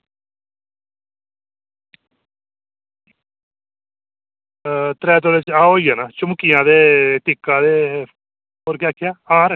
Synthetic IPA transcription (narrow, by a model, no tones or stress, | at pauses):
t̪ɾɛːt̪̬oːleːt͡ʃaːɦoːijaːnaːt͡ʃʊmkɪjãːd̪eːt̪ɪkːãːd̪eː | oːɾkjaːkʰːɪjaːãːɾ